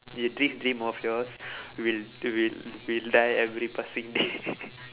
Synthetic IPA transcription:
judɾĩmdɾĩmɔfjɔswilwilwildajɛvɾipasĩŋde

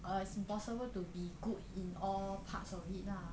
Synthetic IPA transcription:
ʔəitsĩmpɔsəbəltubiɡut̚ĩnɔlpʰa̰tsɔfhit̚la

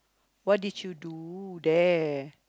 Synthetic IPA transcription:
wɔt̚dit͡ʃjududɛ

